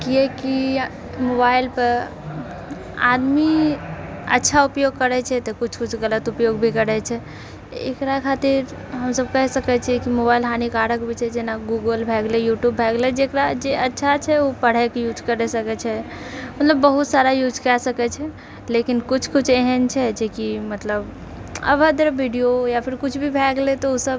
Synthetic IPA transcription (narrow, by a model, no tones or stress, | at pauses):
kiɛki | mobailpəɾ | a̰d̪mi | ə̰tːʃʰaupjoɡkəɾɛt͡ʃʰɛt̪ɔkut͡ʃʰkut͡ʃʰɡələt̪upjoɡbʱikəɾɛt͡ʃʰɛ | ḛkɾakʰat̪iɾ | ɦəmsəbkəɦsəkɛt͡ʃʰiɛkimobailɦanikaɽəkbʱit͡ʃʰɛd͡ʒenaɡuɡəlbʱɛɡlɛjuʈjubʱɛɡlɛd͡ʒekɾad͡ʒeətːʃʰat͡ʃʰɛopəɽ̤ɛkejud͡ʒkəɾɛsəkɛt͡ʃʰɛ | unləbəɦut̪saɾajud͡ʒkɛsəkɛt͡ʃʰɛ | lekinkut͡ʃʰkut͡ʃʰeɦənt͡ʃʰɛd͡ʒekimət̪ləb | ə̰bʱəd̪ɾəbʱiɖijojapʰiɾkut͡ʃʰbʱibʱɛɡlet̪ɔusəb